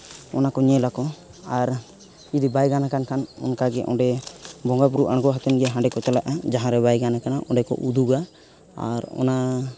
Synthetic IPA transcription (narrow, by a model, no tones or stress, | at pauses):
ɔ̰nakɔɲɛlakɔ | aɾ | id̪ibajɡanakankanɔ̰nkaɡɛʔɔ̰̃ɖɛbɔŋɡap̬uɾuʔaɽɡɔɦat̪ɛnɡɛɦãɖɛkɔt͡ʃalaʔad͡ʒaɦãɾɛbajɡanakanaʔɔ̃ɖɛkɔ̰ʔud̪uɡa | a̰ɾɔ̰na